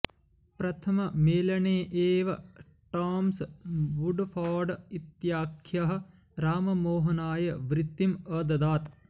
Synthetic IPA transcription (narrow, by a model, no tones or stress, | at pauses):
pɾɐt̪ʰɐmɐmeːlɐɳeːʔeːʋɐ | ʈaːmsʋuɖfʰaːɖit̪jaːkʰjɐɦɐ̆ | ɾaːmɐmoːɦɐnaːjɐʋɾit̪ːimɐd̪ɐd̪aːt̪